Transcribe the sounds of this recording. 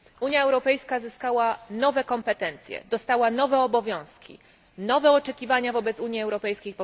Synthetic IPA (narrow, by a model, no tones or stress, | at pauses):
uɲjaɛwɾɔpɛjskazɘskawanɔvɛkɔmpɛt̪ɛnt̪sʲjɛ̰d̪ɔst̪awanɔvɛɔbɔvʲjɔ̃w̃skʲḭ | nɔvɛɔt͡ʂɛkʲivaɲavɔbɛt̪suɲjiɛwɾɔpɛjskʲejpɔ